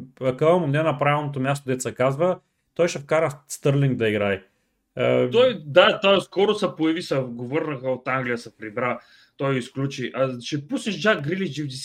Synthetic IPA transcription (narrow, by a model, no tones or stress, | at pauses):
ɐkəvɐmʊnɛnɐpɾavilˠnot̪̬omʲjast̪od̪ɛt̪sɐkazvə | t̪ɔjʃɛfkaɾəfst̪ɤɾlʲiŋɡd̪ɐiɡɾaj | t̪ɔjd̪at̪ɔjskɔɾʊsɛpoɛvisɐɡovɤɾnəxəot̪aŋɡlʲijəsɐpɾibɾa | t̪ɔjisklʲut͡ʃiʔɐʃɛpusnɛʃd͡ʒakɡɾilid͡ʒivd̪is